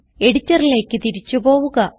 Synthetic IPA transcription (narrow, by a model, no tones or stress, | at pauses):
e̞ɽit͡ɕːɐrile̞ːkːɨt̪iɾit͡ɕːupo̞ːʋuɣɐ